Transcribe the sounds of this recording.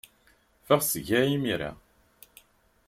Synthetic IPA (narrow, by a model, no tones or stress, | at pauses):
fæʁsəʝæimiɾæ̰